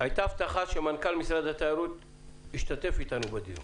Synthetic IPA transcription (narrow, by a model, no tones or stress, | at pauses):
ajt̪aft̪aχaʃemankalmisʁad̪hat̪aːɾut̪ | iʃt̪at̪e̞fit̪anubad̪iɾ